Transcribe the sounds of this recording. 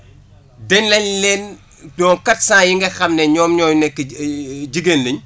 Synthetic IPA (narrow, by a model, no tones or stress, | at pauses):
dɛɲlɐɲlɛn | dɔːŋkɐtsãːjiŋɡɐxɐmnɛɲɔːmɲɔːjnɛkːɟiɡenleɲ